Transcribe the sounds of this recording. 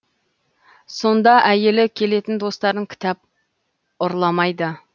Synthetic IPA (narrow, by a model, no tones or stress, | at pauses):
so̞nd̪ɑʔæje̞lɪkʲʰe̞le̞t̪ɪnd̪o̞st̪ɑɾəŋkʲʰɪ̥t̪ɑp̚ | ʊɾlˠɑmɑjd̪ə